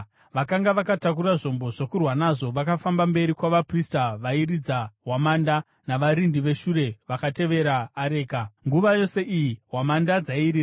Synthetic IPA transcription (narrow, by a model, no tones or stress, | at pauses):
ʋakaŋɡaʋakatak̬uɾaʐo̞mbo̞ʐokurwanaʐo̞ʋakafambambe̞ɾikwaʋapristaʋaiɾid͡zaɦwamaːnda | naʋaɾindiʋe̞ʃuɾe̞ʋakate̞ʋe̞ɾaːɾe̞ːkaŋɡuʋajo̞se̞ʔijiɦwamandad͡zaiɾiːra